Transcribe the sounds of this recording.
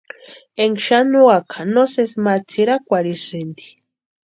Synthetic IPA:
eŋɡʃanuakʰḁnosesmat͡sʰiɾakʷaɾisɨnd̪i̥

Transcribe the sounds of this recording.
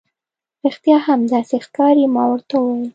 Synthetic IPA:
ɾixt̪jɑhamd̪ɑsexkɑɾimɑwəɾt̪awwɑjil

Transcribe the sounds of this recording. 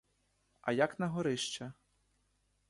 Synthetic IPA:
ɐjɐknɐɦɔɾɪʃt͡ʃɐ

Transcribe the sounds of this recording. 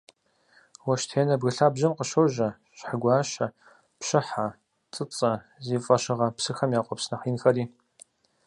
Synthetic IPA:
wɐʃtʰeːnɐbɣɨɬaːbʑɐmqəʃowʒɐ | ɕħaɡʷaːʃɐ | pʃɪħa | t͡sʼɨt͡sʼɐ | zifʼɐʃɪʁɐpsɨxɐmjaːqʷʼɔpsnɐχiːnxɐɾiː

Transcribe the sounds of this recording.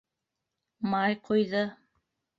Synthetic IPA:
mɑjqʰŏjðɤ

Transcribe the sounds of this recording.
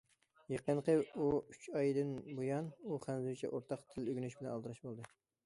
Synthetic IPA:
jeqənqəuyt͡ʃʰɑjd̪ɨnbojɑnuχænzut͡ʃʰɛ̰ʔoɾt̪ʰɑqt̪ʰɪløɡʲynyʃbɪlɛnɑlˠɨɾɑʃbolˠd̪ɨ

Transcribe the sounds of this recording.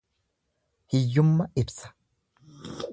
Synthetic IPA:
hɪjːʊmːɐɪbsɐ̥

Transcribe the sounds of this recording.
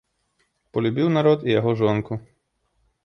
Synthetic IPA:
pɔlʲʊbʲiwnɐɾɔd̪ijɔɦɔʒɔnkʊ

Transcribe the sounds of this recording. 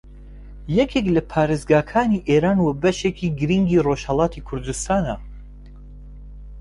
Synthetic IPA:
jɛkʰeklɐpʰaːɾeːzɡaːkʰaːniːʔeːɾaːnwɐbɐʃeːkʰiːɡɨɾiŋɡiːroʃhɐlˠɑːt̪ʰikʰʊɾd̪ust̪aːnɐ

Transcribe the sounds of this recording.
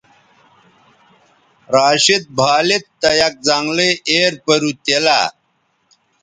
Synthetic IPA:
ɾaːɕit̪̚bʱaːlit̪ːɐjɐk̚d͡zaŋɡleeːɾpɐɾut̪ela̰

